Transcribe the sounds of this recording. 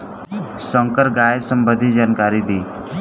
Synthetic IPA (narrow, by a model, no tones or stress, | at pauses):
sə̃ŋkəɾɡaːjsəmbəd̪ʱid͡ʒaːnkaːɾid̪iː